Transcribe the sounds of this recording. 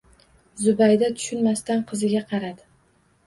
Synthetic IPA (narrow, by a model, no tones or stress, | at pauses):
zʊbajd̪at̪ʰʊ̥ʃʊnmast̪anqʰɨzɪɡʲaqʰɑɾad̪ɪ